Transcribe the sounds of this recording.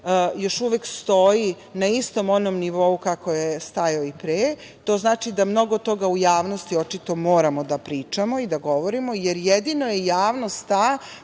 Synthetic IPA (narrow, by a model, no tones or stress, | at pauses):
jo̞ʃuʋekst̪o̞ji | naist̪o̞mo̞nomniʋo̞ukako̞jest̪ajaoipɾeː | t̪o̞ːznaːt͡ʃid̪amno̞ɡo̞t̪o̞ɡaujaːʋnost̪io̞t͡ʃit̪o̞moːɾamo̞d̪apɾiːt͡ʃamo̞id̪aɡo̞ʋo̞ɾimo̞jeɾjed̪inojejaːʋnost̪t̪a